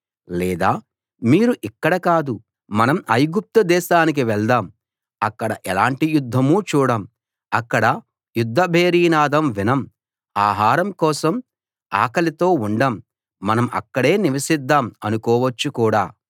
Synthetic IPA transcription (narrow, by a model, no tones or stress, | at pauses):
lɛːd̪aː | miːɾuʔikːɐɽɐkaːd̪u | mɐnɐmɐjɡup̚t̪ɐd̪ɛːʃaːnik̬iʋɛɭd̪aːm | ɐkːɐɽɐʔɛlaːɳʈijud̪ʱːɐmuːt͡ʃuːɽɐm | ɐkːɐɽɐ | jud̪ʱːɐbʱeːɾiːnaːd̪ɐmʋinɐm | aːɦaːɾɐmkɔːsɐm | a̰ːkɐlit̪o̞ːuɳɖamː | ɐnɐmɐ̰kːɐɽe̞ːniʋɐʃid̪ːaːmɐnukɔːʋɐt͡ʃːukuːɽaː